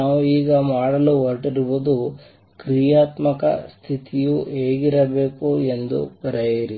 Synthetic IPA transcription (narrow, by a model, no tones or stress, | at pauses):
aːʋuiːɡɐmaːɽɐluʋɐɾʈiɾibud̪u | kɾijaːt̪mɐkɐ̰st̪ʰit̪ijue̞ːɡiɾɐbe̞ːkue̞nd̪ṵbɐɾejiɾi